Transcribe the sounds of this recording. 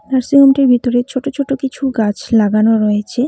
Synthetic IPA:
t̪aɾsiɡonʈiɾbʱit̪oɾet͡ɕʰoʈot͡ɕʰoʈokit͡ɕʰuɡat͡ɕʰlaɡanoɾɔet͡ɕʰe

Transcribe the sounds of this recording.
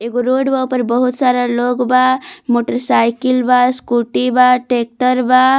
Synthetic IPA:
eɡoɾoɖbapəɾbəɦut̪saɾaloɡbamoʈəɾsajkilbaskuʈibaʈek̚ʈəɾba

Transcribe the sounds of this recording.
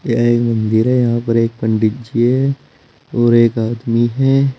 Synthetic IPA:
jaeːkmɐ̃nd̪ɪɾɦɛjɐɦãpɐɾeːk̚pɐ̃ɳɖɪt̪̚d͡ʒiɦɛ | ɔːɾeːkaːd̪miɦɛː

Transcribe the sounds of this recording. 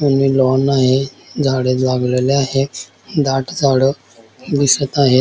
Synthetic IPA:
mənmilɔnaɦed͡zʱaɽelaɡleleaɦe | d̪aʈd͡zʱaɽə | d̪isət̪aɦe

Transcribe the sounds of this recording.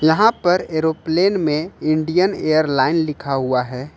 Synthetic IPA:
jɐɦãpɐɾeːɾopleːnmẽɪ̃ɳɖijənejəɾlaːɪnlɪkʰaɦuaɦɛː

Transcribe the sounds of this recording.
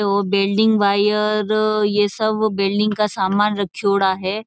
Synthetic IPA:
ɔːɾbeːlɖɪ̃ŋɡʋaːjəɾjesɐbbeːlɖɪ̃ŋɡkasaːmaːnɾɐkʰjoːɽaɦɛː

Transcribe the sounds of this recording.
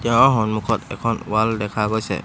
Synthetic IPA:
dɛ̃ɔɦɔ̃nmʊ̃kʰɔtɛkʰɔ̃nwaldɛkʰaɡɔsɛ̰

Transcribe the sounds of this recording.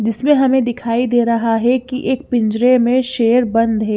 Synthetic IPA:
d͡ʒɪsmẽɦɐmẽd̪ɪkʰaːid̪eːɾɐɦaɦɛkiʔeːk̚pɪ̃ɲd͡ʒɾemẽʃeːəɾbɐ̃nd̪ɦɛː

